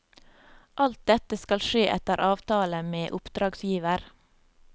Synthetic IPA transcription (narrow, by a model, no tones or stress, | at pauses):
ʔɑlt̪̚d̪ɛt̪əskɑlʃeːʔɛt̪əɾʔɑːʋt̪ʰɑːləmeːʔʊpd̪̥ɾɑːɡsjiːʋəɾ